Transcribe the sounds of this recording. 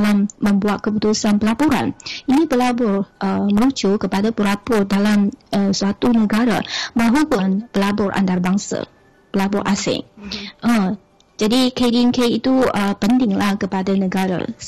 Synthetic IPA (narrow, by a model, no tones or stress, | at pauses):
lamːə̃mbuat̪̚kəput̪usanpəlapuɾa̰ninibəlabʊrʔəməlut͡ʃukəpadapəɾapʊrdalamʔəsuat̪unəɡaɾa̰maɦupʊnbəlabɔrʔa̰nd̪arbaŋsa̰ | b̥əlabɔrʔasɪ̰ŋʔə | d͡ʒadikedinkeit̪uəpənt̪ɪŋlahkəpadanə̃ɡaɾa̰